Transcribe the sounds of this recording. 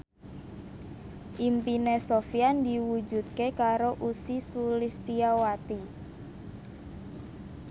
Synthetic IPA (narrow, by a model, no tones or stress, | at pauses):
ʔimpinesofiand̪iwu̥d͡ʒṳt̪̚kekaɾoʔusisulist̪iawat̪i